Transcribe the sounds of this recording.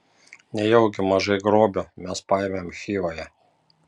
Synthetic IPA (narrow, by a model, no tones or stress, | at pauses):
nʲɛjɛʊɡʲɪmɐʒɐɪɡɾoːbʲʊmʲɛspɑjɛmʲeːomxʲiːʋojɛ